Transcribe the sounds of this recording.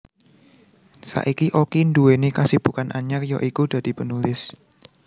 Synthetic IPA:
sa̰ʔikiʔokind̪uenekasib̥ṳkanʔaɲakjɔʔikud̪̥ä̤d̪̥i̤pənulɪs

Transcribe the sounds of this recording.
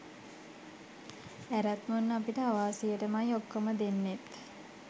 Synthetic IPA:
æɾat̪munːapiʈəaʋaːsijəʈəmajokːoməd̪enːet̪

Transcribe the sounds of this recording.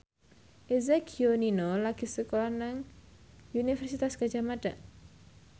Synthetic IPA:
ʔezekʰioninolaɡ̥isəkolahnaŋ | unifɛrsit̪askad͡ʒamad̥a

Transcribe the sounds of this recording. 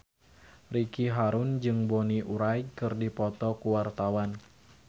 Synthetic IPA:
rikiɦaɾʊnd͡ʒɨŋbɔniʔuɾajkɨrdipɔt̪ɔkuwart̪awan

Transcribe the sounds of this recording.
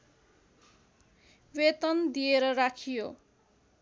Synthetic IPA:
wet̪ʌnd̪ijeɾʌrakʰijo

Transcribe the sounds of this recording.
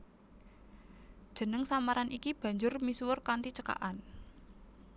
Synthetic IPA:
d̥ʒ̥ə̤nəŋsamaɾanikib̥ä̤ɲd͡ʒʊrmisuwʊrkant̪it͡ʃəka̰ʔan

